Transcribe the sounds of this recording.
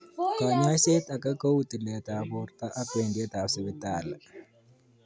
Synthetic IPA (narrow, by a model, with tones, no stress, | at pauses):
kɔ˨ɲa˦se˦t̪a˨ka˦ko˦wu˦ti˨lɛ˨ta˨bʊ˨ɾt̪a˦ʔa˦pe˨ndie˦ta˨sɪ˨˦βɪ˦ta˨l